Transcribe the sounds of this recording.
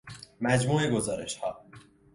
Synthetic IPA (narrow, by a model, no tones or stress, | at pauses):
mæd͡ʒmuːeɡo̞zɒːɾe̞̰ʃhɒ̰ː